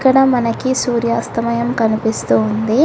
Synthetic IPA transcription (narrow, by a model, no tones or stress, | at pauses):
kːɐɽɐmɐnɐkisuːɾjaːst̪ɐmɐjɐmkɐnipist̪uːnd̪i